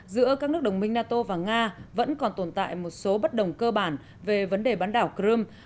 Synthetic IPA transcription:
zɨ̰˧˥əkaː˦˥k̚nɨ˦˥ək̚ɗə˨˩wŋ͡mmï˧ŋ̟naː˧t̪o˧vaː˨˩ŋaː˧və̰˧˥nkɔ˨˩nt̪o˧˩nt̪a̰ː˧˨jmo˨˩t̚so˨˦ɓə˦˥t̚ɗə˨˩wŋ͡mkəː˧ɓaː˧˩n | ve˨˩və˨˦nɗe˨˩ɓaː˨˦nɗaː˧˩wkɾɨ˧m

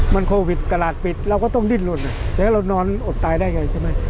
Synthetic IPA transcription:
ma˧nkʰoː˧wi˨˩t̪̚ka˧laː˨˩t̪̚pi˨˩t̪̚ɾa˧wkɔː˥˩t̪ɔ˥˩ŋdi˧˥˩nlu˧˩nna˨˧˩t̪ɛː˨˩kʰa˥˩ɾa˧wnɔː˧nʔo˨˩t̪ːaː˧jdaː˥˩jŋa˧jt͡ɕʰa˥˩jma˦˥˩j

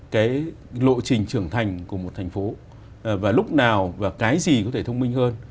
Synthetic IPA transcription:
kaː˨˦j | lo̰˧˨jt͡ɕï˨˩ŋ̟t͡ɕɨ˧˩əŋt̪ʰa˨˩jŋ̟ku˧˩əmo˨˩t̚t̪ʰɛ˨˩jŋ̟fo˨˦˩ | vaː˨˩lʊ˦˥k͡p̚naː˨˩wvaː˨˩kaː˨˦jzi˨˩kɔ˨˦t̪ʰe˧˩t̪ʰə˧wŋ͡mmi˧ŋ̟həː˧n

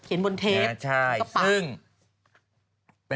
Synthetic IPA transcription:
kʰi˨˩˦nbo˧nt̪ʰeː˦˥t͡ɕʰa˥˩ja˧ɯ˥˩ŋ | pe˧

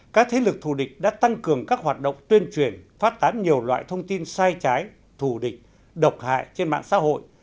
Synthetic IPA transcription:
kaː˦˥k̚t̪ʰe˨˦lɨ˨˩k̚t̪ʰu˧˨˩ɗï˨˩k̟̚ɗa̰ː˧˥t̪a˧ŋkɨ˨˩əŋkaː˦˥k̚ɦwaː˨˩t̚ɗə̰˧˨wŋ͡mt̪wi˧ənt͡ɕwi˨˩ənfaː˦˥t̚t̪aː˨˦nɲi˨˩əwlwa̰ː˧˨jt̪ʰə˧wŋ͡mt̪i˧nsaː˧jt͡ɕaː˨˦j | t̪ʰu˧˩ɗï˨˩k̟̚ | ɗə˨˩wk͡p̚ha̰ː˧˨jt͡ɕe˧nɓa̰ː˧˨nsa̰˧˥ɦo̰˧˨j

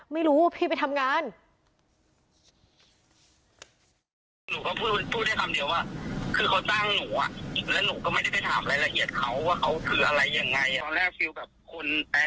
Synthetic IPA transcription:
ma˥˩jɾuː˦˥pʰiː˥˩pa˧jt̪ʰa˧mŋaː˧˥n | nuː˨˦kɔ˥˩pʰuː˥˩a˧˩pʰuː˥˩t̪̚da˥˩kʰa˧mdi˧əwaː˥˩kʰɯː˧kʰa˧˩wt͡ɕaː˥˩ŋnuː˩˦ʔa̰˨˩ʔlɛ˦˥˩nuː˨˩˦kɔː˥˩ma˥˩jda˥˩jpe˨˩jt̪ʰa̰ː˩˦mla˧jla˧ʔi˨˩ət̪̚kʰa˦˥wːaː˥˩kʰa˦˥wkʰɯː˧ʔa˧ɾa˧jːa˧ŋːa˧jɔː˧nlɛː˥˩k̚fi˧wbɛ˨˩p̚kʰo˧nɛ˧˩

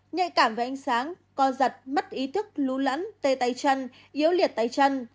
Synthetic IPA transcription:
ɲə̰˧˨jkaː˧˩mva˨˩ʔa˨˧ŋ̟saː˨˦ŋ | kɔ˨˧˦zə˨˩t̚mə˦˥t̚ʔi˨˦t̪ʰɨ˦˥k̚lu˨˦lə̰˧˥nt̪e˧t̪a˨˧jt͡ɕə˧n | ʔi˨˦əwli˨˩ət̚t̪aː˨˧jt͡ɕə˧n

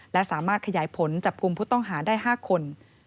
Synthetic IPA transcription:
lɛ˦˥ʔsaː˩˦maː˥˩t̪̚kʰa˧jaː˩˦jpʰo˩˦nt͡ɕa˨˩p̚ku˧mpʰuː˥˩t̪ɔ˥˩ŋɦaː˩˦daː˥˩jɦaː˥˩kʰo˧n

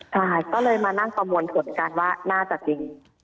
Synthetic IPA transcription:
t͡ɕʰa˥˩jkɔː˥˩lɤː˧jmaː˧na˥˩ŋpa˧mu˧ənp̪ʰu˨˩˦nka˧nwaː˥˩naː˥˩t͡ɕa˨˩t͡ɕi˧ŋ

